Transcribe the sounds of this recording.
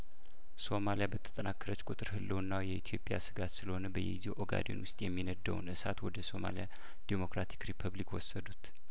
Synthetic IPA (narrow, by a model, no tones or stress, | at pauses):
so̞malijabət̪ʰə̥t̪ʼənakʰːəɾət͡ʃːkʼut̪ʼɨɾhɨlːəwnːawjɛʔit̪ʰijo̞pʼja̰sɨɡat̪sɨləho̞nəbəjɛ̰ziwʔoɡa̰d̪o̰nwʊst̪ʼjɛmːinəd̪ːəwnʔɨsat̪wɔd̪əso̞ma̰lija | d̪̥emo̞kɾat̪ʰi̥kɾipʰəβlikwɔsːəd̪ut̪